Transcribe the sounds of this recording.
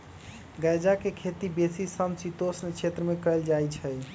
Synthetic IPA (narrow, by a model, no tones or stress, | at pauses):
ɡəjd͡ʒakekʰet̪ibesisəmsit̪osnkt͡ʃʰet̪ɾəmekəeld͡ʒajt͡ʃʰɛj